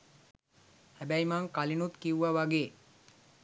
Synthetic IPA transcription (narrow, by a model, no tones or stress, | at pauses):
hæbæjmaŋkalinut̪kiuʋaʋaɡeː